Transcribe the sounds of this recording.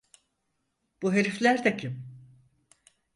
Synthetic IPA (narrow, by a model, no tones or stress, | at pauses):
b̥uɦeɾiflʲæɾd̪ɛcʰim